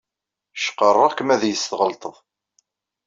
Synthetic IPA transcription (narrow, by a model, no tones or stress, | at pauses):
ʃqːərˤːɑʁkəmæðjəst̪ʁəlt̪ˤəðˤ